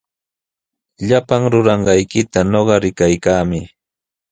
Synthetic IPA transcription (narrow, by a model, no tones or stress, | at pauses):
ʎapaŋɾʊɾɑɴɢɑjkɪt̪anoɢɑɾɪkajkaːmɪ